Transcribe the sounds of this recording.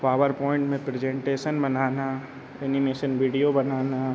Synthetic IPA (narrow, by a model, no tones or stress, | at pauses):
paːʋəɾpɔːɪ̃ɳʈmẽpɾed͡ʒẽɳʈeːʃənbɐnaːna | ɛnimeːʃənʋiːɖijobɐnaːna